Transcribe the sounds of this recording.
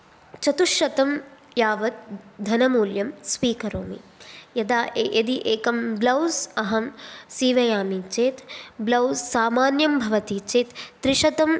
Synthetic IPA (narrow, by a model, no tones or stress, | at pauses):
t͡ʃɐt̪uʃjɐt̪ɐm | jaːʋɐt̪̚d̪ʱɐnɐmuːljɐmspiːkɐɾoːmḭjɐd̪aːʔeʔɐd̪iʔeːkɐmblɐwsɐɦɐmsiːʋɐjaːmit͡ʃeːt̪blɐwsːaːmaːnjɐmbʱɐʋɐt̪iːt͡ʃeːt̪ːɾiʃɐt̪ɐm